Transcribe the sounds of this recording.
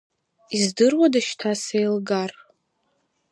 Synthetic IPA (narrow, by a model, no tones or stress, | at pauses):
izdɨrwadaʃtʰasejlɡar